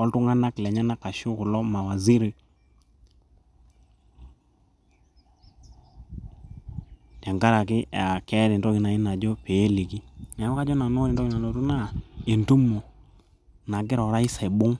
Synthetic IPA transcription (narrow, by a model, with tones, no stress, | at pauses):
ɔ˦ltu˦ŋa˦na˦klɛ˨ɲa˦na˦ka˨ʃʊ˦kʊ˨lɔ˦ma˨wa˨zi˦ɾi˦ | ja˨ŋɡa˦ɾa˨kɪ˦˨a˨kɛ˦ɾɪ˨ntɔ˦kɪ˨na˨ɪ˦na˨d͡ʒɔ˦peː˨˦li˨ki˦na˨˦m˦ka˦d͡ʒɔ˦na˨no˦ɾɪ˨ndɔ˦kɪ˦na˨lo˨tu˦na˦˨e˨ntu˦mo˨ | na˨ɡɪ˦ɾɔ˨˦ɾa˦i˦sa˨i˨bʊ˦ŋ